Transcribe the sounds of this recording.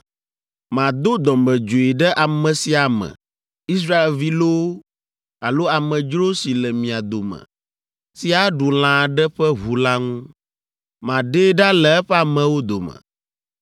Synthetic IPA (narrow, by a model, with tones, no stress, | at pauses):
mã˨d̪o˦d̪ɔ˨mbɛ˨d͡ʒo˨i˨ɖɛ˦ʔa˨mɛ̃˨si˨a˨mɛ̰̃˨ | i˦s̬ɾa˦e˨lvi˦lo˦ | a˨lo˦a˨mɛ̃˨d͡ʒɾo˦si˨lɛ˨mĩ˨a˨d̪o˨mɛ̰̃˨ | si˦a˦ɖu˨l̃ã˨ɖɛ˦ɸɛ˦ɦu˨la˦ŋũ˦ | mã˨ɖe˦ɖa˦lɛ˨ɛ˦ɸɛ˦a˨mɛ̃˨wo˦d̪o̰˨mə̰̃˨